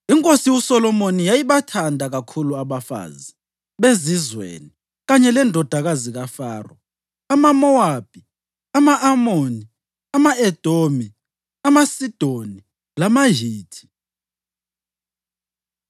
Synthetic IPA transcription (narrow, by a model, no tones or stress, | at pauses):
iŋkʼosiwusɔlɔmonijajiβatʰandʱaɣakʰuluaβafa̰ːzi | βezizwḛni | ɣaɲɛlɛndʱɔd̥ʱaɣaziɣafaːrɔ̰ | amamɔab̥ʱi | amaʔamoːni | amaɛd̥ʱomi | amasid̥ʱoni | lamaɦiːtʰi̥